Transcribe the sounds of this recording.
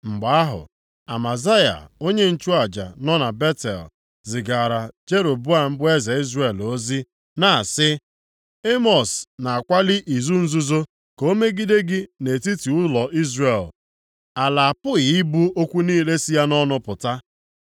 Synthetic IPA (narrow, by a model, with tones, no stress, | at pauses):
ŋ͡m̩˨ɡ͡ba˨a˦ɦʊ̰˨ | a̰˨ma˨za˦ja̰˨o˦ɲe˦n̩˦t͡ʃu˦a˨d͡ʒa̰˨nɔ˦na˨be˦tḛ˨l | zɪ˨ɡa˨ɾa˨d͡ʒe˦ɾo˨bʊ˦a˦˨m̩˦bʊ˦e˦za˨i˦zre˨lo˦zi˦ | na˨sɪ˦ | e˦mɔ˨sna˨a˨kʷa˦lɪ˦ʔi˨zu˦n̩˦zu˦zo˦ | ko˦me˦ɡi˦de˦ɡɪ˦ne˨ti˦ti˨ʊ˦lɔ˨ʔi˦zre˨l | a˨la˨a˨pʊ˦ɣi˦bu˦o˦kʷu˦niː˦le˦si˦ja˦nɔ˦nʊ˦pʊ˨ta˦